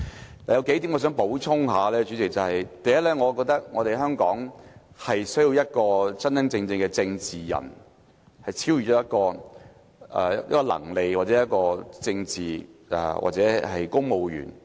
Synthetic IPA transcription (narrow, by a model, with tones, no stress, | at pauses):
laː˨jɐ˨˧wke˨˥jt̪iː˨˥mŋɔː˨˧s̬œ˨˥ŋpo˨˥wt͡sʰʊ˥ŋɦaː˨˧lɛː˥t͡ʃy˨˥t͡sɪ˨k̚t͡sɐ˨whɐ˨jt̪ɐ˨jɐ˥t̚lɛː˥ŋɔː˨˧kɔː˧k̚t̪ɐ˥k̚ŋɔː˨˧ɾe˨jɦœː˥ŋkɔ̰ː˨˥ŋ | hɐ˨jsɵ˥ji˧wjɐ˥t̚kɔː˧t͡sɐ˥ntɐ˥ŋt͡sɪ˧ŋt͡sɪ˧ŋkɛ˧t͡sɪ˧ŋt͡siː˨jɐ̰˨˩n | hɐ˨jt͡sʰiː˥wjy˨t͡ʃɔː˨˥jɐ˥t̚kɔː˧ | ɛ̰ː˨jɐ̰˥t̚kɔ˧lɐ̰˨˩ŋle˨˩kwa˨t̚t͡sɛː˨˦˥jɐ˥t̚kɔː˧t͡sɪ˧ŋt͡siː˨ʔɛ̰˨wa̰ː˨˩t͡sɛː˨˥hɐ˨jkʊ˥ŋmo˨wjy̰ː˨˩n